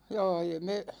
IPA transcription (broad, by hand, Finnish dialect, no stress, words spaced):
jɑː jɑ me